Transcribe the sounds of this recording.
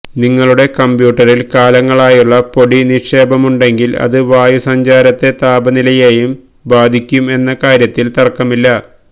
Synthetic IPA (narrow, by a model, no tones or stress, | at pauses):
niŋːɐɭuɽe̞kɐmbjuːʈːɐrilkaːlɐŋːɐɭaːjuɭːɐpo̞ɽiniʂe̞ːbɐmuɳɖe̞ŋɡilɐ̰ðɨʋaːjusɐɲd͡ʑaːɾɐt̪ːe̞t̪aːbɐnilɐjeːjum | baːd̪ʱikʲːume̞nːɐkaːɾjɐt̪ːilt̪ɐrkːɐmilːɐ